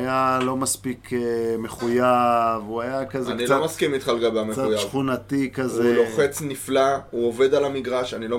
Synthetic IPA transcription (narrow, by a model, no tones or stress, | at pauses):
jalomaspikʰeme̞χujavuajakazenkilt͡somaskimit̪χalɡabeameaujaχunat̪ikazeloχet͡sniflauove̞d̪alamiɡʁaʃanilo